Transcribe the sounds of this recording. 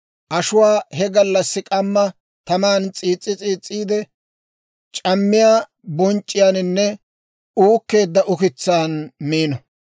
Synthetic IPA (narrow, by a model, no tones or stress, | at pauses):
ʔɐʃʊwaːhɛɡɐlːɐsːɪkʼɐmːɐ | t̪ɐmaːnt͡sʼiːt͡sʼːɪt͡sʼiːt͡sʼːiːd̪ɛ | t͡ʃʼɐmːɪjaː | bɔnt͡ʃʼːɪjaːnɪnːɛ | uːkːe̞ːd̪ːɐʔʊkɪt͡sːaːnmiːnɐ